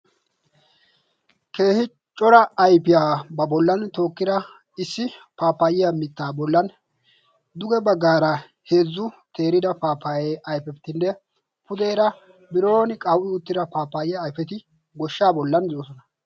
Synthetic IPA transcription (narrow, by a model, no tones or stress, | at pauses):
ke̞ːhɪ | t͡ʃʼɔɾɐːjpɪjaːbɐbɔlːɐnt̪o̞ːkːɪd̪ɐ | ɪsːɪpaːpːaːjɪjɐmɪt̪ːaːbɔlːɐn | d̪ʊɡɛbɐɡːaːɾɐ | he̞ːzːʊt̪e̞ːɾɪd̪ɐpaːpːaːjeːʔɐjpɛt̪ːɪnːɛ | pʊd̪eːɾɐ | bɪɾo̞ːnɪkʼɐwʔɪʊt̪ːɪd̪ɐpaːpːaːjɪjaːjfɛt̪ɪ | ɡɔʃːaːbɔlːɐnzoosɔnɐ